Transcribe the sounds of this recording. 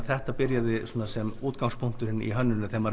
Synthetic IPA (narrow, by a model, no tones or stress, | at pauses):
θɛht̪apɪɾjaðɪsoːnasɛmuːt̪̚kaŋspʰʊŋ̥t̪ʏɾɪnḭɦœnːʏnʏθɛmːaɾ